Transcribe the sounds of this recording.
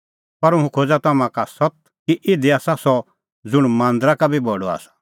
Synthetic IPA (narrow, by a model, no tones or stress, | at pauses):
pɐɾʊɦũkʰoːd͡zat̪ɔmãkasɔt̪̚ | kiʔɪd̪iaːsasɔ | d͡zʊɽ̃mãːnd̪ɾakabʱibɔɖɔa̰ːsḁ